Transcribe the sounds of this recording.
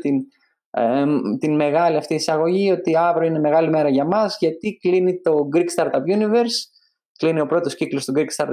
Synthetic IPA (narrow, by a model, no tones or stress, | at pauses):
t̪in | t̪inme̞ɣɐliɐft̪iːsɐɣo̞ʝio̞t̪iɐvɾoine̞me̞ɣɐlime̞ɾɐʝɐmɐzʝɐt̪iklinit̪o̞ɡɾikst̪ɐɾt̪ɐpunive̞ɾs | klinio̞pɾo̞t̪osciklo̞st̪uɡɾikst̪ɐɾt̪